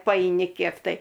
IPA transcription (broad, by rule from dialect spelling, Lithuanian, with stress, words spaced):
pɐɛɪˈnʲɪ ˈkʲiɛk tɐɪ